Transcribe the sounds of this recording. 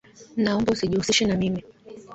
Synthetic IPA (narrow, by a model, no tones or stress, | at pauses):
naɔmbausiʄihusiʃɛnamimi